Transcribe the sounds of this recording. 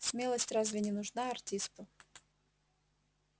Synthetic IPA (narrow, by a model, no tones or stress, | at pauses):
smʲe̞lˠəsʲtʲrazvʲɪnʲɪnʊʐnaɐrtʲispʊ